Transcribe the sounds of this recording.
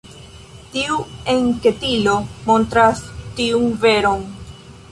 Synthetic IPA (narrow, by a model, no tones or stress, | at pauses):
tiue̞ŋke̞tilo̞mo̞ntɾastiunve̞ɾo̞n